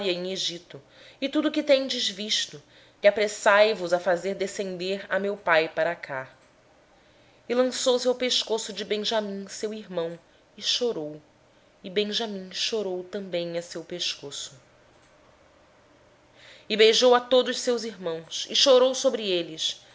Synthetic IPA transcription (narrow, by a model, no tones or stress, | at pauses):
ɾiɐẽj̃eʒit̪ʊ | ɪt̪ud̪ʊkɪt̪ẽj̃d͡ʒɪzviʃt̪ʊ | kɪapɾesajvʊzɐfazeɾd̪esẽnd̪eɾɐmewpajpaɾakʰa | ɪlɐ̃sowsewpeʃkosʊd͡ʒɪbẽʒamĩsewiɾmɐ̃w̃ | ɪʃoɾow | ɪbẽʒamĩʃoɾowt̪ɐ̃bẽj̃ɐsewpeʃkosʊ̥ | ɪbejʒowɐt̪od̪ʊʃsewziɦmɐ̃w̃sɪʃoɾowsobɾɪelɪs